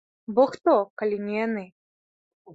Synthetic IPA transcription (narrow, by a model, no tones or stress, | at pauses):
bɔxt̪ɔkalʲinʲijanɨ